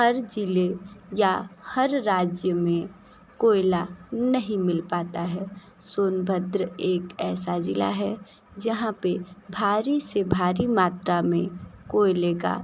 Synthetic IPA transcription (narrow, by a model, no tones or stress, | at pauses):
hɐɾd͡ʒɪlejahəɾːaːd͡ʒjəmẽ | koːjɪlanəɦĩmɪlpaːt̪aɦɛː | soːnbʱəd̪ɾəeːkɛːsad͡ʒɪla̰ɦɛ | d͡ʒɐɦãpebʱaːɾisebʱaːɾimaːt̪ɾamẽkoːɪleka̰